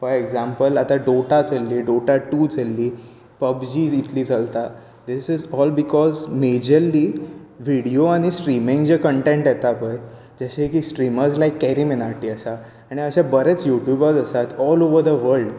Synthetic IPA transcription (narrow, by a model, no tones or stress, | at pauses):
fɔɾeɡzãmpəlat̪aɖoʈad͡zəlːiːɖoʈaʈud͡zəlːiː | pəbd͡ʑiːit̪liːd͡zalt̪a | d̪isizɔlbikɔzmed͡ʑəɾliːʋiɽioaɽ̃isʈɾimĩŋɡd͡ʑekəɳʈẽɳʈjɛt̪apəj | d͡ʑəɕekiːsʈɾiməɾd͡zlajkːɛɾiminaɾʈiːəsa | aɽ̃iəɕabəɾet͡sjuʈjubəd͡zəsat̪ɔloʋəɾd̪əʋəɾlɖ